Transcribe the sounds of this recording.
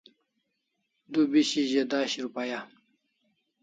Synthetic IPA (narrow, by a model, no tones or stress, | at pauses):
d̪ubiɕiʑed̪aːɕiɾupaja